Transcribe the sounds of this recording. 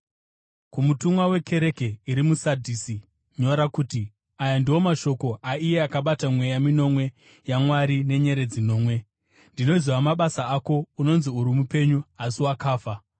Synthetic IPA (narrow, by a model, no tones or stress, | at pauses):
kumutumwawe̞ke̞ɾe̞ke̞iɾimusadʱiːsi | ɲo̞ɾakuːti | ajandiwo̞maʃo̞ko̞ʔaije̞akaɓatamwe̞jamino̞mwe̞ | jamwaɾine̞ɲe̞ɾe̞d͡zino̞ːmwe̞ | ndino̞ziwamaɓasaako̞uno̞nziuɾimupe̞ɲuasiwakaːfa